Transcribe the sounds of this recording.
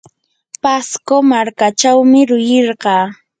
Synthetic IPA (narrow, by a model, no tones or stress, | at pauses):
paskomaɾkat͡ʃawmɪɾʊjeɾɢɑː